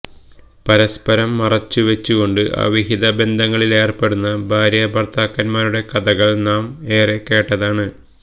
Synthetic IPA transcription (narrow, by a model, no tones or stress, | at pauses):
pɐɾɐspɐɾɐmːɐrɐt͡ɕːɨʋɐt͡ɕːuɣo̞ɳɖɨʔɐ̰ʋiɦiðɐbe̞nd̪ʱɐŋːɐɭile̞ːrpe̞ɽunːɐbʱaːɾjɐbɐrt̪ʰaːkːɐnmaːɾuɽe̞kɐd̪ɐɣɐɭnaːme̞ːre̞kːe̞ːʈːɐðaːɳɨ